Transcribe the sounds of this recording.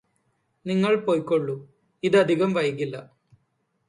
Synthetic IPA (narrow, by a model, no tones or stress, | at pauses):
niŋːɐɭpoːjkːoɭːu | iðɐd̪ʱiɣɐmʋɐjkilːɐ